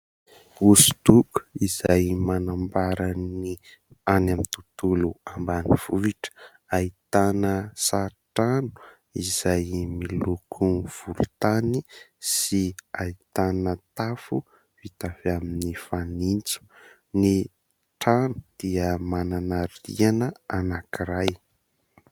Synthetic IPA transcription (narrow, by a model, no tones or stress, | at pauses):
usu̥d̪uku̥iz̥ajmanambaɾani | anamint̪ut̪uluambaniv̥uviʈ͡ʂə̥ | ait̪anəsaʈ͡ʂanuu̥ | iz̥ajmilukʰuv̥uɾut̪anisiait̪anət̪afu | vit̪afeaminifanint͡su̥ | ni | ʈ͡ʂanu̥d̪̥iəmananaɾḭanəanakiɾaj